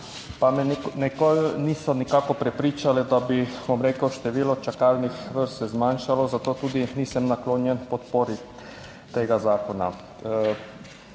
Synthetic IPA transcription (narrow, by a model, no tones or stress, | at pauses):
pamɛnɛkolniːsɔnikaːkɔpɾɛpɾiːt͡ʃalɛd̪abibomɾeːkəwʃt̪ɛʋiːlɔt͡ʃakalnixʋəɾsɛzmanʃalɔzat̪oːt̪uːd̪iniːsəmnakloːnjɛnpɔt̪poːɾi | t̪eːɡazaːkɔna̰